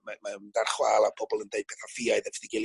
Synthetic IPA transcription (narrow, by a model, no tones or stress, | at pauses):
mamand̥arχwaːlˠabʰɔbɔlˠəndeɨd̚pʰɛθafɪaɨðɛvɪdiɡɪl